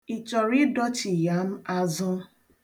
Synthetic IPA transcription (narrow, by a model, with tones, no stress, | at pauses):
i˨t͡ʃɔ˨ɾɪ˦dɔ˦t͡ʃi˨ja˦m̩˦a˦zʊ˦